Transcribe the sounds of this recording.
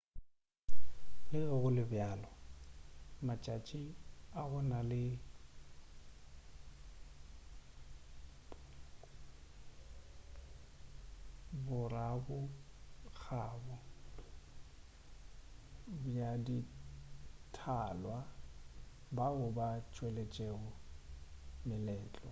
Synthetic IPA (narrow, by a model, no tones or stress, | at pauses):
lɪɣɛɣʊlɪbjaːlɔ | mat͡ʃʼat͡ʃʼiabɔnalɪ | bʊrabʊ | k͡xʰaːbʊ | bjadi | tʰalwa | baɣʊbat͡ʃʼwelet͡ʃʼeɣʊ | mɪlɛːt͡ɬʼɔ̰